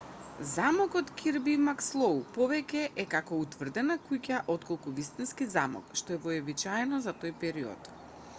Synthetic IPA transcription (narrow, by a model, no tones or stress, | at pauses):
zamɔkɔt̪kʰiɾbimakslˠɔupɔvɛcʲɛʔɛkakɔut̪vr̩d̪ɛnakucaʔɔt̪kɔlˠkuvist̪inskizamɔ̰kʃt̪ɔɛvɔɛbit͡ʃaɛnɔzat̪ojpɛɾiɔ̰t̪